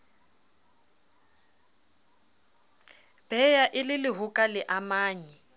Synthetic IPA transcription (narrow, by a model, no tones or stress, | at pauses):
b̥ɛjaʔɪlɪlɪɦʊkʼalɪʔamaːɲɛ